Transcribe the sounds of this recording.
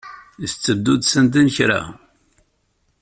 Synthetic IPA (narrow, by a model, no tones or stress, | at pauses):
iθt͡sːəd̪ːud̪sənd̪inçɾa̰